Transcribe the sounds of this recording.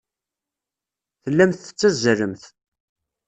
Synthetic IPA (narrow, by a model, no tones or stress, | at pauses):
θəlːæmθə̥t͡sːæzəɾəmθ